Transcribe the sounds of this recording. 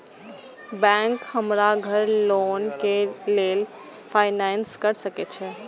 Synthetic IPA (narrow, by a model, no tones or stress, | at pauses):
bɛ̃ŋkhəmɾaɡʱəɾlonkelel | pʰaɪnanskəɾsəket͡ʃʰɛ